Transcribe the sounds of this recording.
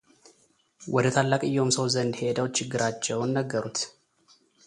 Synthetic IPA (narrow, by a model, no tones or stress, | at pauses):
wʔɔd̪ət̪ʰalːakʼɨjːɛhomsəwzənd̪he̞d̪əwt͡ʃɪɡːɨɾʔat͡ʃːɛwnːəɡːəɾut̪